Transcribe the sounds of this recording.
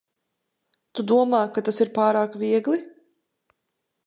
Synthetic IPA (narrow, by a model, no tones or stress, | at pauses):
t̪ud̪uɔmaːkat̪asiɾpaːɾaːkvʲiɛɡlˠi